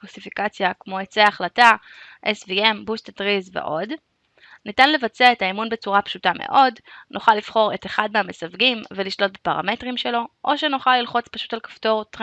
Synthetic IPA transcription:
klosifikat͡sjakmo̞et͡seaaχlata | ʔesvie̞mbust̪tʁizvḛʔo̞d | nitanle̞vat͡seaetaimunbe̞t͡suʁapʃutamḛʔo̞dnʔoχalifχo̞ʁe̞teχad̚meame̞savɡimveliʃlo̞t̚bepaʁa̰me̞tʁimʃe̞lo̞ʔo̞ʃenuχalːilχo̞t͡spaʃu̥talkḁfto̞ʁtʁ

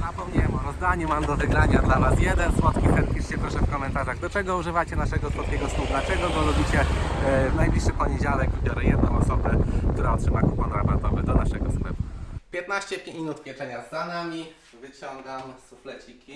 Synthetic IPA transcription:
zapɔmɲɛmɔɾɔzd̪aɲumamd̪ɔvɘɡɾaɲad̪lanasjɛd̪ɛnswɔt̪kʲisɛt̪t̪̚kʲiʂt͡ɕɛpɾɔʂɛfkɔmɛnt̪aʐaɣd̪ɔt͡ʂɛɡɔuʐɘvat͡ɕɛnaʂɛɡɔswɔt̪kʲɛɡɔst̪ud̪lat͡ʂɛɡɔdɡ̪ɔlubʲit͡ɕɛ | najblʲiʂːɘpɔɲed͡ʑalɛɡvbʲjɔɾɛjɛd̪̚nɔ̃w̃ɔsɔbɛkt̪uɾaɔtʂɘmakupɔnɾabat̪ɔvɛd̪ɔnaʂɛɡɔsmɛmupʲjɛt̪naɕt͡ɕɛinut̪mʲjɛt͡ʂɛɲazanamʲi | vɘt͡ɕɔŋɡamsuflɛt͡ɕikʲi

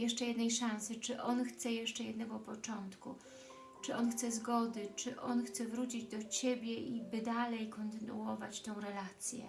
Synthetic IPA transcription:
jɛʂt͡ʂɛjɛd̪nɛjʂãnsɘt͡ʂɘʔɔnxt̪sɛjɛʂt͡ʂɛjɛd̪nɛɡɔpɔt͡ʂɔnt̪ku | t͡ʂɘʔɔnxt̪sɛzɡɔd̪ɘt͡ʂɘʔɔnxt̪sɛvɾut͡ɕid͡ʑd̪ɔt͡ɕebʲjɛibɘd̪alɛjkɔnt̪ɘnṵɔvat͡ɕt̪ɛ̃w̃ɾɛlat̪sʲjɛ̰

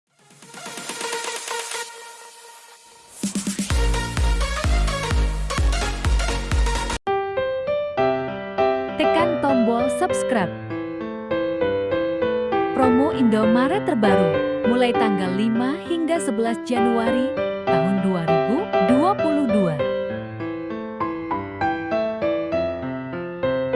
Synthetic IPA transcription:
t̪əkant̪ɔmbɔlsupskɾap̚ | pɾɔmoʔindomaɾat̪ərbaɾumulajt̪aŋɡalːimahiŋɡasəbəlasd͡ʒanuaɾit̪amunduanit̪uduapuludua

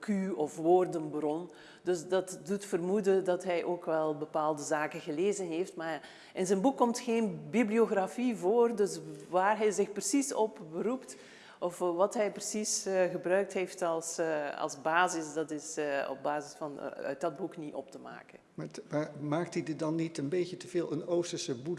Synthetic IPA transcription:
kyɔfʋoːrdənbrɔn | dɵsdɑtdutfərmudədɑtɦɛjʔoːkʋɛlˠbəpaːlˠdəzaːkəɣəleːzənɦeːftma | ɪnzɛnbukːɔmtxeːnbiblioɣrafivoːrdɵsʋaːrɦɛjzɪxprəsisɔpbəɾupt | ɔfʋɑtɦɛjprəsisɣəbrœɥk̚tɦeːftɑlˠsɑ̰lˠzbaːzɪsdɑtɪsɔ̰b̚baːzɪsfɑn̰œ̰dɑd̚bukniʔɔp̚təma̰ːkənmamamaːk̚tidɪt̚dɑnːitənbejcətəv̥eːlˠənowstəsəbu

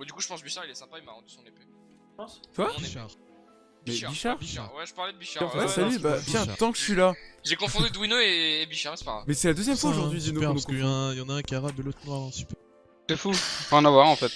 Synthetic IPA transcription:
ɔ̃d̪ykuʒə̥pɑ̃sbiʃaʁilɛsɛ̃paimaʁɑ̃d̪y̥sɔ̃nepe | ɑ̃t̪wabiʃaʁ | mɛbiʃaʁiʃaʁwɛʒəpaʁlɛd̪əbiʃãwɛsalybatjɛ̃t̪ɑ̃kə̥ɥilaʒekɔ̃fd̪yd̪winoeːbiʃaʁsɛ̥paʁamɛsɛlad̪øzjɛmfwaoʒuʁd̪ɥid̪inupɛʁ̃skəj̃ajɑ̃naɛ̃kʲaʁad̪əlot̪χaʁɛ̃t̪i̥pø | sɛfuɑ̃navwaʁɑ̃fɛt̪

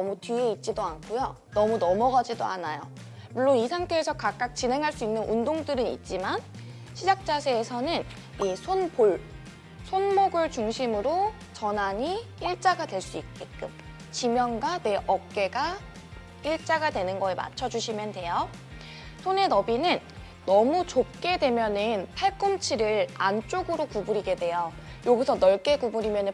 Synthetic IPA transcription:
nʌmutɥieit̚t͡ɕ͈idoankʰujo | nʌmunʌmʌɡad͡ʑidoanajo | muɭːonisʰaŋtʰe̞ːsʰʌkak̚k͈ak̚t͡ɕine̞ŋɦaɭs͈uinːɯnʔundoŋdɯɾɯnḭt̚t͡ɕ͈iman | ɕʰid͡ʑak̚t͡ɕ͈asʰeːsʰʌnɯn | isʰonboɭ | sʰonmoɡɯɭt͡ɕuŋɕʰimɯɾo | t͡ɕʌnaɲiiɭt͡ɕ͈aɡadwe̞ɭs͈uit̚k͈e̞k͈ɯm | t͡ɕimjʌŋɡwane̞ʔʌk̚k͈e̞ɡa | iɭt͡ɕ͈aɡadwe̞nɯnɡʌema̰t͡ɕʰʌd͡ʑuɕʰimjʌndwe̞jo | sʰone̞nʌbinɯnː | ʌmut͡ɕop̚k͈e̞dwe̞mjʌnɯnpʰaɭk͈ɯmt͡ɕʰiɾɯɭant͡ɕ͈oɡɯɾokubuɾiɡe̞dwe̞jo | joɡisʰʌnʌɭk͈e̞kubuɾimjʌnɯ

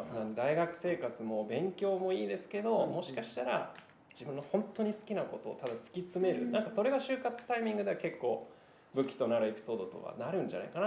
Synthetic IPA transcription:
snãnd̪aiɡakɯ̟̥se̞ːkat͡sɨmo̞bẽ̞ŋkʲo̞ːmo̞iːd̪e̞sɨ̥ke̞d̪o̞mo̞ɕi̥kaɕi̥t̪aɾa̰ | d͡ʑibɯ̟̃nːo̞hõ̞nt̪o̞ɲ̟isɨ̥kʲinako̞t̪o̞̰ːt̪ad̪at͡sɨ̥kʲit͡sɨme̞ɾɯ̟̰nãŋkaso̞ɾe̞ɡaɕɨːkat͡sɨ̥t̪aimʲĩŋɡɯ̟d̪e̞ake̞kːo̞̰ː | bɯ̟kʲːi̥t̪o̞naɾɯ̟e̞pʲi̥so̞ːd̪o̞t̪o̞̰βa̰naɾɯ̟̃ɲ̟d͡ʑa̰na̰ḭkana

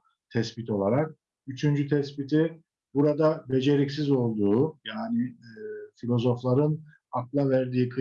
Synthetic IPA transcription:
t̪ʰɛspit̪ʰo̞lˠaɾak̚ | yt͡ʃʰynd͡ʒyt̪ʰɛspit̪ʰi | buɾad̪abe̞d͡ʒe̞ɾicsizo̞lˠd̪uːjaːnɪfilʲo̞zo̞flˠaɾɯn | aklˠavæɾd̪iːkʰɯ

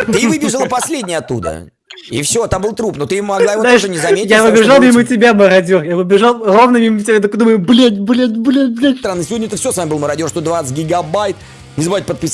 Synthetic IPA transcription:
t̪ɨvɨbʲɪʐəlˠəpɐsʲlʲedʲnʲɪjɐt̪ːṵd̪ə̰ | ḭfsʲot̪ambɨlˠt̪ɾupnot̪ɨjɪvmɐɡ̪lˠaɪvoaɪʂʐənʲɪzɐmʲejavɨbʲɪʐalˠmʲimɨtʲɪbʲaməɾɐdʲorjavɨbʲɪʐalˠrovnəmʲimətʲɪbʲat̪əkd̪uməjʊblʲet̪ʲblʲet̪ʲblʲeblʲet̪ɾanːɨsʲɪvodʲnʲəɛt̪əfsʲɪosvamʲɪbɨlˠməɾɐdʲorst̪od̪vat̪sɨ̥t̚ʲɡʲɪɡɐbajt̪̚ | nʲɪzbaɪt̪̚ʲpət̪̚pʲɪs

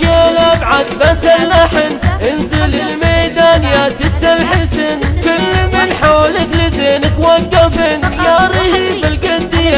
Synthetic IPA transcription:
kelabʕad̪bat̪alːaħɪnʔɪnzɪlɪlmejd̪aːnjasɪt̪ːalħɪsɪnkʊlːmɪnħoːlɪklɪzeːnɪkwaɡːafɪnjaɾˤihibɪlɡand̪ɪja

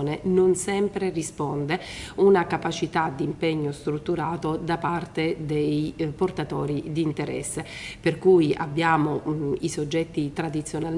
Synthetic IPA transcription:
nenonsɛmpɾerispɔnd̪eunakapat͡ʃit̪ad̪impɛɲːost̪ɾut̪ːuɾaːt̪od̪apart̪ed̪ejport̪at̪ɔːɾid̪iːnt̪eɾɛ̰sːeperkuːja̰bːjaːmoisod͡ʒːɛt̪ːit̪ɾad̪it̪sːjonal

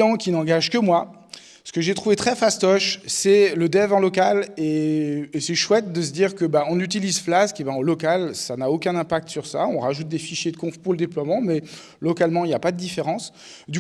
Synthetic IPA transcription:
ɑ̃kʲinɑ̃ɡaʒkəmwa | sə̥kəʒet̪χuvet̪χɛfast̪ɔʃsɛləd̪ɛvɑ̃lɔkaleː | sɛʃwɛt̪̚d̪əsəd̪iʁkəbaɔ̃nyt̪ilizflaskebãɑlɔkalsanaokʲɛ̃nɛ̃pak̚t̪ə̥syʁsa̰ɔ̃ʁaʒut̪̚d̪efiʃjed̪əkɔ̃fpuʁləd̪eplwamɑ̃mɛ | lɔkalmɑ̃iljapad̪əd̪ifeʁɑ̃s | d̪y

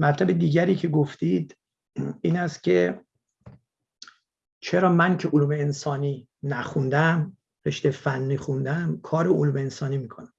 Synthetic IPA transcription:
mæt̪ʰlæbed̪iːɟæɾiːcʰe̞ɡoft̪iːd̪ | iːnæst̪̚cʲʰe̞ | t͡ʃʰe̞ɾɒːmæncʰeʔoluːme̞ːnsɒːniː | næxund̪æm | ɾe̞ʃt̪ejfænːiːxund̪æmkʰɒːɾeoluːmeːnsɒːnimiːkʰonæm

